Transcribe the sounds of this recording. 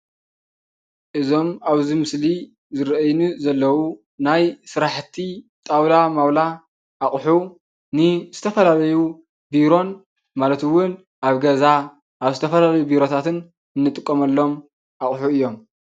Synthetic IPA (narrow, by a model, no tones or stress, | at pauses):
ʔɨzo̞maβzimɨsli | zɨɾʔɐjnuzɐlːɐwu | najsɨɾaħt̪ʰit̪ʼawlamawla | ʔaxʼħu | nɨzɨt̪ʰɐfɐlalɐju | biɾo̞n | malɐt̪wʊn | ʔaβɡɐza | ʔaβzɨt̪ʰɐfɐlalɐjubiɾo̞t̪ʰat̪ʰɨn | ɨnːɨt̪ʼɨkʼːomɐlːo̞m | ʔaχʼħuɨjːo̞m